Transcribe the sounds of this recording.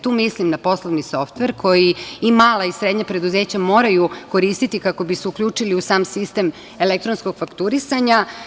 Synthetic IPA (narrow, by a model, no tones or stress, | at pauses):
t̪uːmislimnapo̞slˠoʋniso̞ft̪ʋe̞ɾkʰo̞jiimaːlaisɾed̪ɲapɾe̞d̪uze̞ːt͡ɕamo̞ːɾajuko̞ɾist̪it̪ikako̞biseukʎʲuːt͡ʂiliusaːmsist̪em | e̞lek̚t̪ɾonsko̞ɡ̥fakt̪uɾisaɲa